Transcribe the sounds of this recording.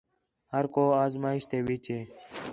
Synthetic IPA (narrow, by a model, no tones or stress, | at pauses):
həɾkoːaːzmaːɪʃt̪eːʋit͡ʃeː